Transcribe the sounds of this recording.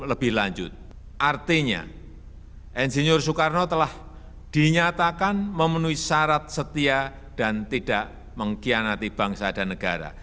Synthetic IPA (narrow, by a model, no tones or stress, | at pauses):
ləbɪhlaɲd͡ʒʊ̰t̪̚ | ʔart̪iɲa̰ | ʔɛnd͡ʒeɲʊrsukarnot̪əlah | d̥iɲat̪akanməmənuisaɾat̪̚sət̪ia | d̥ant̪id̥aʔ | məŋkianat̪ib̥aŋsad̥anəɡ̥aɾa̰